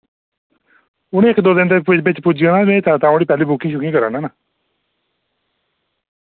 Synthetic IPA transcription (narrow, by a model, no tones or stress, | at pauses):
ʊñẽːɪkd̪oːd̪ɪnd̪eːbɪt͡ʃpʊd͡ʒɡənãːmẽːt̪ʰãːt̪ãːõɽiːpɛːliːbʊkːĩːʃʊkĩːkəɾa̰ːnãːnaː